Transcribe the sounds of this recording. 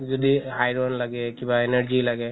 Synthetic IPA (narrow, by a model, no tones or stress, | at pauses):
zɔdiajɾɔnlaɡɛkibaenaɹzilaɡɛ